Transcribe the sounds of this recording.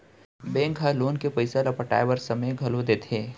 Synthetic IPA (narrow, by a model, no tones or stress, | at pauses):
bẽːŋkɦaloːnkepɐɪsalɐpəʈa̰ːɪbəɾsɐməjɡʱɐlod̪eːt̪ʰeː